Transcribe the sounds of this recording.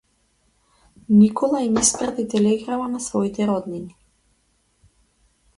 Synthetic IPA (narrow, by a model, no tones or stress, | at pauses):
nikɔlˠainispɾat̪it̪ɛlɛɡɾamanasvɔit̪ɛɾɔd̪nini